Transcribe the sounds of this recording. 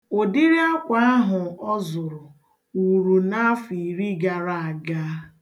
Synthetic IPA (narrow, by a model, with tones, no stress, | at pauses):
o˨di˦ɾi˦a˦kʷa˦a˦ɦʊ˨ɔ˦zʊ˨ɾʊ˨ | u˨ɾu˨na˦fi˨ɾi˦ɡa˨ɾa˦a˨ɡa˦